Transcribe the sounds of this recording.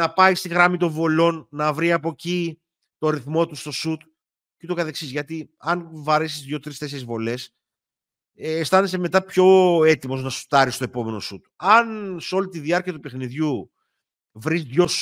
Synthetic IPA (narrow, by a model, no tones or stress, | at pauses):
ɐpɐjst̪iɣɾɐmit̪o̞ɱvo̞lo̞nːɐvɾiɐpo̞ci | t̪o̞ɾiθmo̞t̪ust̪o̞sut̪ | cit̪okɐθe̞ksizʝɐt̪iɐnvɐɾesizðʝo̞t̪ɾist̪e̞seezvo̞le̞s | st̪ɐneseme̞t̪ɐpço̞e̞t̪imo̞znɐsu̥t̪ɐɾist̪o̞epo̞me̞no̞sut̪ɐnso̞lit̪iðiɐɾciɐt̪upe̞xniðʝu | vɾizðʝo̞s